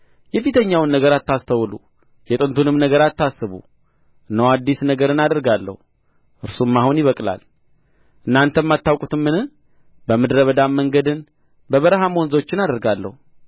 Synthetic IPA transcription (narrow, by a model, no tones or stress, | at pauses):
jɛfit̪ʰəɲːawɨnːəɡəɾat̪ːast̪ʰəwlu | jɛt̪ʼɨnt̪ʰunɨmnəɡəɾat̪ːasːɨβṵ | ʔɨnːəwad̪ːisnəɡəɾɨnad̪əɾɡalːə̰hu | ʔɨɾsumːahunjɪβəkʼla̰l | ʔɨnːant̪ʰəmːat̪ːawkʼut̪ʰɨmːɨnɨh | bəmɨd̪ɾəβəd̪amːəŋɡəd̪ɨn | bəβəɾəɦamonzot͡ʃːɪnad̪əɾɡalːə̰hu